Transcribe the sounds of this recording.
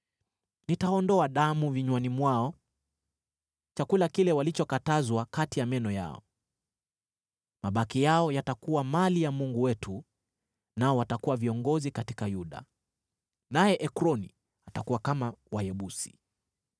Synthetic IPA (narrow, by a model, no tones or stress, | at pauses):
nitaɔndɔaɗamuviɲwanimwaɔ | t͡ʃakulakilɛwalit͡ʃɔkatazwakatijamɛnɔja̰ɔ̰ | maɓakijaɔjatakuwamalijamuŋɡuwɛtʰu | naɔwatakuwaviɔŋɡɔzikatikajuɗa̰ | najɛʔɛkɾɔni | atakuwakamawajɛɓusi̥̰